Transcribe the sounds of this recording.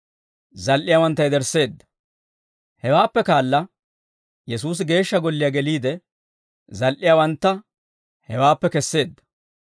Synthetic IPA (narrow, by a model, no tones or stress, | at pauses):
zɐlʔɪjawɐnt̪ːɐjd̪ɛɾsːe̞ːd̪ːɐ̥ | hɛwaːpːɛkaːlːɐ | jɛsuːs̬ɪɡe̞ːʃːɐɡɔlːɪjɐɡɛliːd̪ɛ | zɐlʔɪjawɐnt̪ːɐ | hɛwaːpːɛkɛsːe̞ːd̪ːɐ̥